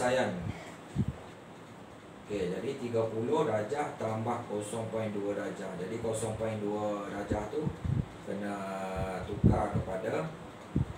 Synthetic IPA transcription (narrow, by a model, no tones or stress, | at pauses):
ajan | oked͡ʒadit̪iɡapulʊhɾad͡ʒaht̪əambahkosɔŋpɔjnduəɾad͡ʒahd͡ʒadikosɔŋpainduəɾad͡ʒaht̪ukənat̪ukakəpada